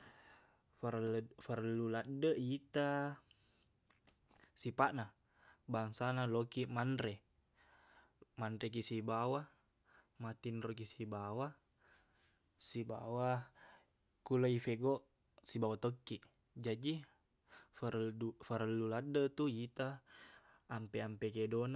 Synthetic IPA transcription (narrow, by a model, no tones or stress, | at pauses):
faɾfəɾluladəjit̪a | sipaʔna | baŋsanalokiʔmandɾɛ | mandɾɛk̬isibawa | mat̪inrok̬isibawa | siba̰wa | kulaifeɡɔʔ | sibawat̪okːiʔ | d͡ʒadi | fəufəɾəlːuladːət̪ujit̪aː | mpɛampekedon